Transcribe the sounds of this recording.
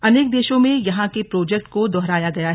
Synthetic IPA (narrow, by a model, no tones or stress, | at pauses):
ɐneːk̚d̪eːʃõmẽjɐɦãkepɾoːd͡ʒɛk̚ʈkod̪ɔːɦɾaːjaɡɐjaɦ